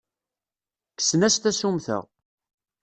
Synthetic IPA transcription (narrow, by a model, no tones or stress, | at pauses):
kə̥snæst̪æsumθə̰ʁ